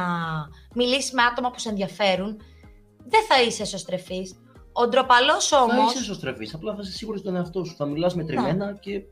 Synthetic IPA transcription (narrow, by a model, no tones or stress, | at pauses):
ɐmilisizme̞ɐt̪o̞mɐpu̥see̞nðʝɐfe̞ɾun | ðe̞θɐise̞so̞st̪ɾe̞fis | o̞d̪ɾo̞pɐlo̞so̞moisesost̪ɾe̞fisɐplɐθɐisesiɣuɾist̪oneɐft̪o̞su̥θɐmilɐs̬met̪ɾime̞nɐce̞